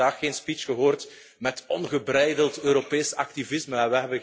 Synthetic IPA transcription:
aːxxeːnspit͡ʃɣəɦoːrt | mɛtɔnɣəbɾɛjdəlˠtøːɾopeːsɑk̚tivɪzməɛʋɛɦɛbə

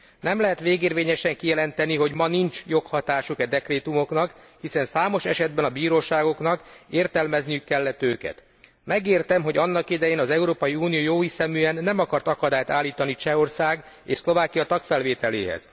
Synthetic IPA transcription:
nɛmlɛɦɛt̪ʋeːɡeːrʋeːɲɛʃɛŋkijɛlɛnt̪ɛniɦo̞ɟmɒnint͡ʃjo̞khɒt̪aːʃukɛd̪ɛkreːt̪umo̞knɒk | hisɛnsaːmo̞ʃɛ̰ʃɛd̪̚bɛnɒbiːɾoːʃaːɡo̞knɒkeːrt̪ɛlmɛznijykːɛlːɛt̪øːkɛ̰t̪ | mɛɡeːrt̪ɛmɦo̞ɟɒnːɒkid̪ɛjeːnɒzɛuɾoːpɒjiuːnijoːjoːisɛmyɛnːɛmɒkɒrt̪ɒkɒd̪aːjt̪aːlːiːt̪ɒnit͡ʃɛo̞rsaːɡ | ḛːʃslo̞vaːkijɒt̪ɒkfɛlveːt̪ɛlḛːɦɛ̰z̥

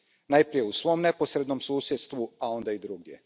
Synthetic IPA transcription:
najpɾije̞usʋo̞mne̞po̞sɾe̞d̪no̞msuːsjet̪st̪ʋuao̞nd̪aid̪ɾuɡd̪je̞̰

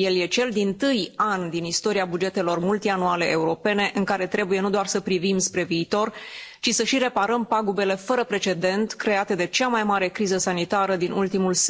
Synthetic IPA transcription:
je̞lje̞t͡ʃe̞ld̪int̪ɨjand̪inist̪o̞ɾiabud͡ʒe̞t̪e̞lo̞rmult̪ianuale̞ʔeuɾo̞pe̞ne̞ʔɨŋkaɾe̞t̪ɾe̞buje̞nud̪oarsəpɾivimspɾe̞viːt̪o̞rt͡ʃisəʃiɾe̞paɾəmpaɡube̞le̞fəɾəpɾe̞t͡ʃe̞d̪e̞nt̪kɾe̞at̪e̞d̪e̞t͡ʃamajmaɾe̞kɾizəsanit̪aɾəd̪inʔṵlt̪imulse

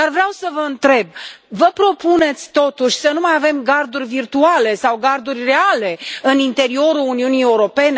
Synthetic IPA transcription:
d̪arvɾeawsəvəɨnt̪ɾe̞b̚vəpɾo̞pune̞t̪sʲt̪o̞t̪uʃʲsənumajave̞mɡard̪urʲvirt̪uale̞sawɡard̪urʲre̞ale̞ɨnint̪e̞ɾio̞ɾuluniunieuɾo̞pe̞ne

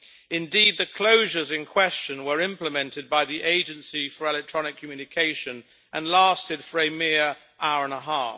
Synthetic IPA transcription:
ɪ̃ndiːd̪̚ðɨkʰl̥oʊʒə˞zɨ̃nkʰw̥ɛst͡ʃə̃nwə˞ɪ̃mpləmɛ̃ntɨd̚baɪðiʔeɪd͡ʒɨ̃nsifəɹɛlɛk̚tʰɹ̥ɒnɪkʰmjʉnɨkʰeɪʃɨ̃n | ʔə̃nlæˑstɨd̥fə˞ɨmɪəɹ | ʔaʊəɹə̃nəɦɑˑf

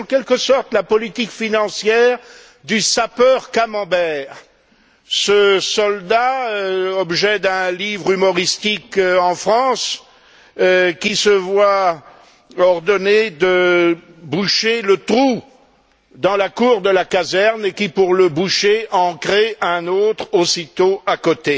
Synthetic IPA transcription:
kʲɛlkəsɔʁt̪lapɔlit̪ikfinɑ̃sjɛʁ | d̪ysapœʁkamɑ̃bɛːʁ | səsɔld̪a | ɔbʒɛd̪ɛ̃livʁymɔʁist̪ikɑ̃fχɑ̃s | kʲisəvwa | ɔʁd̪ɔned̪ə | buʃelət̪χu | d̪ɑ̃lakuʁd̪əlakazɛʁnekʲipuʁləbuʃeʔɑ̃kχeʔɛ̃not̪χosit̪oakot̪e

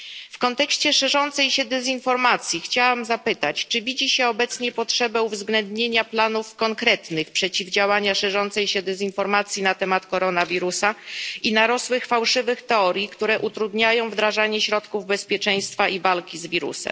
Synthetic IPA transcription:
fkɔnt̪ɛkɕt͡ɕɛʂɛʐɔnt̪sɛjɕɛd̪ɛzinfɔɾmat̪sʲjixt͡ɕawamzapɘt̪at͡ɕt͡ʂɘvʲid͡ʑiɕɛɔbɛt̪sɲɛpɔtʂɛbɛuvzɡlɛnd̪ɲeɲaplanufkɔŋkɾɛt̪nɘxpʂɛt͡ɕivd͡ʑawaɲaʂɛʐɔnt̪sɛjɕɛd̪ɛzinfɔɾmat̪sʲjinat̪ɛmat̪kɔɾɔnavʲiɾusainaɾɔswɘxfawʂɘvɘxt̪ɛɔɾʲjikt̪uɾɛʔut̪ɾud̪ɲajɔ̃w̃vd̪ɾaʐaɲɛɕɾɔt̪kuvbɛspʲjɛt͡ʂɛj̃st̪faʔivalkʲizvʲiɾṵsɛ̰m

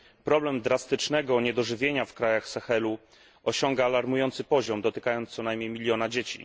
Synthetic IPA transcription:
pɾɔblɛmd̪ɾast̪ɘt͡ʂnɛɡɔɲɛd̪ɔʐɘvʲjeɲafkɾajaxsɛxɛlu | ɔɕɔŋɡaːlaɾmujɔnt̪sɘpɔʑɔmd̪ɔt̪ɘkajɔnsɔnajmʲɲejmʲilʲjɔnad͡ʑet͡ɕḭ

